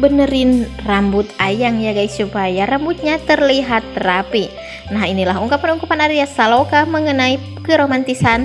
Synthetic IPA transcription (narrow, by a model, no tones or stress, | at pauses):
bənəɾɪnrambʊt̪ajaŋjaɡajsupajaɾambut̪̚ɲat̪ərliɦat̪ːəɾapi | nahinilaɦuŋkapanuŋkapanaɾiasalokaməŋənai | kəɾomant̪isan